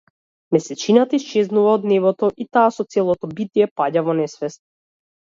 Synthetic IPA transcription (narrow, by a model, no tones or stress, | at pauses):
mɛsɛt͡ʃinat̪aist͡ʃɛznuvaɔd̪nɛvɔt̪ɔʔit̪aːsɔt̪sɛlˠɔt̪ɔbit̪iɛpaɟavɔnɛsvɛst̪̚